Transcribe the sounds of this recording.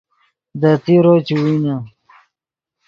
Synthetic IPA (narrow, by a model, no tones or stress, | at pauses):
d̪at̪iɾot͡ɕiwina